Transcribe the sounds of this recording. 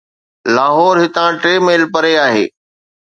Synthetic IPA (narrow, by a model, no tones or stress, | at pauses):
laːɦɔːɾɦɪt̪ãʈɾeːmeːlpɐɾeaːɦḛː